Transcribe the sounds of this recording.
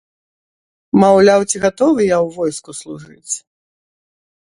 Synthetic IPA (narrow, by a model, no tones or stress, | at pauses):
mawlʲawt͡sʲiɣat̪ɔvɨjawvɔjskuslˠuʐɨt͡sʲ